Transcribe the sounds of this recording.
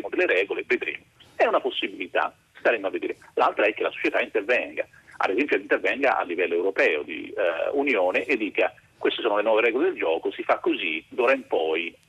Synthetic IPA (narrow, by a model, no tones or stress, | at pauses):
mod̪elːeɾɛːɡolevːed̪ɾḛːmo | ɛunaposːibilit̪a̰ | st̪aɾemːoavːed̪ḛːɾelalt̪ɾaɛkːelaso̥t͡ʃjet̪aint̪ervɛŋɡa̰ | a̰d̪ezɛmpjoint̪ervɛŋɡa̰ʔa̰lːivɛlːoewɾopɛːo̰d̪ḭunjoːneʔed̪ːiːka | kwest̪esoːnolenwɔːveɾɛːɡoled̪eld͡ʒɔːkosifakːozid̪uːɾaimpɔj